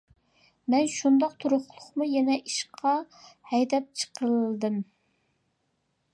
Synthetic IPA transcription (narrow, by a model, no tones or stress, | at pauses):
mɛnʃund̪ɑq̚t̪ʰuɾʊχlˠʊχmujɛnɛʔiʃqʰɑ | hɛjd̪ɛp̚t͡ʃʰə̥qʰəlˠd̪ɨm